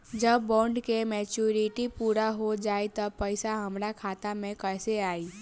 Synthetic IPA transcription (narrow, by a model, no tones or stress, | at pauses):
d͡ʒəbːɔ̃ːɳɖkemɛːt͡ʃuːɾɪʈipuːɾaɦod͡ʒaːet̪ɐbpəɪsaɦɐmɾakʰaːt̪amẽkɛːseaːiː